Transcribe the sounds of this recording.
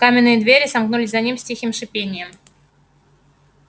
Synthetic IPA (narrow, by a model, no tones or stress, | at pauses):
kamʲɪnːɨjəd̪vʲeɾʲɪsɐmknulʲɪsʲzɐnʲimsʲtʲixʲimʂɨpʲenʲɪjəm